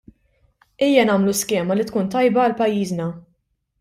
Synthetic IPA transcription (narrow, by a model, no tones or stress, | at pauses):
iːjːɐnɐːmluskɛːmɐlit̪kuːnt̪ɐjbɐːlpɐjːiːznɐ